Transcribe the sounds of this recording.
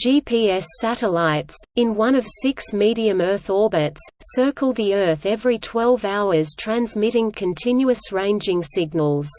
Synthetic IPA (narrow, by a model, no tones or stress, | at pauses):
ʒ̥ipʰiɛsæɾəlaɪtsɨ̃nwʌ̃ñʌv̥sɪksmiɾiɨ̃mɜ˞θɔɹbɨtsːɜ˞kəl̩ˠd̪̚ðiɜ˞θɛvɹitʰw̥ɛlˠvaʊə˞z̥tʰɹ̥æ̃nzmɪɾɪ̃ŋkʰɨ̃ntʰɪ̃njʉəsɹẽɪ̃nd͡ʒɪ̃ŋsɪɡ̚nəlˠz̥